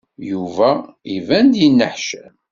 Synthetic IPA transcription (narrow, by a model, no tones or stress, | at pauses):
juvæivænd̪jənːəħʃæn